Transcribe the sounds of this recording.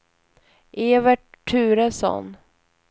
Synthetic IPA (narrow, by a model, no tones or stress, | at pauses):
ʔeːvəʈʰːʉ̟ːɾəsɔ̰n